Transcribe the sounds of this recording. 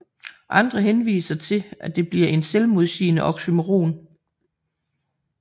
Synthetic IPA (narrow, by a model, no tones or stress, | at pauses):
ʔɑ̈nd̥ʁɐɦenʋḭːsɐt͡sʰe̝lʔæd̥e̝b̥liɐ̰e̝nselmo̝ð̞ˠsḭːnəʔɒ̽ɡ̥symoʁo̝̰ːn